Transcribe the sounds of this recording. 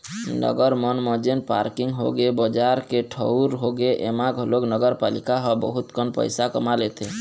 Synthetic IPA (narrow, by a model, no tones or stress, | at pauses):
nɔ̰ɡɔɾmɔnmɔd͡ʒenpa̰ɾkiŋɡɦoɡebɔd͡ʒaɾkeʈʰɔwɾɦoɡeʔemaɡʱɔloknɔɡɔɾpalikaɦɔbɔɦut̪kʰɔnpɔ̰jsakɔ̰malet̪ʰe